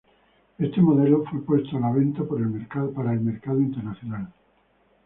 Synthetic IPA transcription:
est̪e̞mo̞ðe̞lofwe̞pwe̞st̪oalaβ̞e̞nt̪apoɾe̞lmeɾkaðpaɾaelme̞ɾkaðoint̪eɾnaθjonal

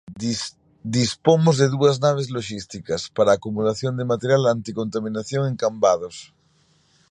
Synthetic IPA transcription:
d̪ispomozðeðuɐznaβ̞ezloʃist̪ikɐspaɾaːkumulaθjond̪emat̪eɾjalant̪ikont̪amĩnaθjoŋeŋkambaðos

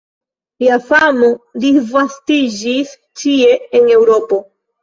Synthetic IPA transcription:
iafamodivastid͡ʒis | t͡ʃie̞ːne̞wɾo̞po̞

